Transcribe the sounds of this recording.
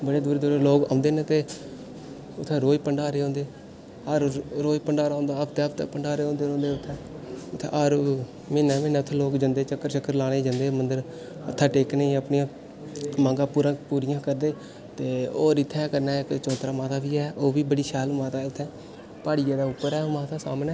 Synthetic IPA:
bəɽeːd̪uːɾeːd̪uːɾeloːkã̰ːʊ̃nd̪eːnet̪eː | ʊt̪ʰːɛ̃ːɾoːipəɳɖaːɾeːõːnd̪eː | aːɾɾoːipəɳɖaːɾaːõːnd̪aːəpʰt̪eːəp̚t̪ɛ̰ːpəɳɖaːɾeːõːnd̪eːõːnd̪eːʊt̪ʰːɛ̃ː | ʊt̪ʰːḛːaːɾ | meːnɛːmẽːnɛːʊt̪ʰːɛ̃ːloːkd͡ʒənd̪eːt͡ʃəkːəɾt͡ʃəkːəɾlaːɽ̃eːd͡ʒãnd̪eːmənd̪əɾ | ət̪ʰːaːʈeːkneiːəpɳiːãː | mãːŋɡaːpuːɾãːpuːɾɪjãːkəɾd̪eː | t̪eːoːɾɪt̪ʰːɛːkəɾnɛːkt͡ʃɔ̃ːt̪ɾaːmaːt̪ʰaːʋiːɛːʔoːʋiːbəɽiːʃɛːlmãːt̪aːʊt̪ʰːɛ̃ː | paːɽiːd͡ʒeːd̪aːʊpːəɾɛːoːmaːt̪ʰaːsa̰ːmnɛː

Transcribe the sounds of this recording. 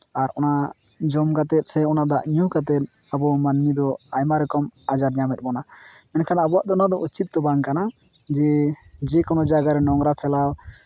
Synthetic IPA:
aɾɔna | d͡ʒɔmkat̪ɛt̪̚ˀsɛɔnad̪aʔɲukat̪̬ɛt̪̚ | abɔmanmid̪ɔajmaɾɛkɔmad͡ʒaɾɲamɛt̪̚bɔnamɛnkʰanabɔaʔd̪ɔnad̪ɔʔut͡ʃit̪̚ːɔbaŋkana | d͡ʒɛd͡ʒɛkɔnɔd͡ʒaɡaɾɛnɔŋɾapʰɛlaw

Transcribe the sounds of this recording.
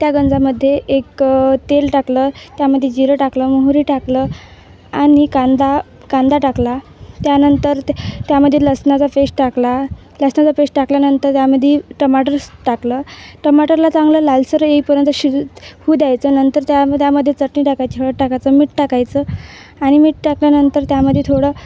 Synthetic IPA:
t̪jaɡənd͡zaməd̪ʱːjeʔːkt̪elʈaklət̪jaməd̪ʱːjed͡ʑiɾəʈakləːmuɦɾiːʈaklə | anikand̪a | kãnd̪aʈakla | t̪janənt̪əɾt̪jaməd̪ʱːjeləsnat͡safesʈʈakla | ləsnat͡safesʈʈakljanənt̪əɾt̪jaməd̪ʱːjeʈəmaʈəɾʈakləʈəmaʈəɾlat͡sãŋɡləːlalsəɾəeipəɾjənt̪əɕihud̪jajt͡sənənt̪əɾt̪jat̪jaməd̪ʱːjet͡səʈɳiːʈakajt͡ɕiəɭəʈʈakat͡səmiːʈʈakajt͡sə | aɽ̃imiːʈ̚ʈakljanənt̪əɾt̪jaməd̪ʱːjet̪ʰoɽə

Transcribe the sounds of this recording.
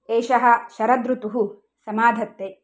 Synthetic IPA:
eːʃɐɦɐ̆ʃɐɾɐd̪ɾut̪uɦu | sɐmaːd̪ʱɐt̪ːe

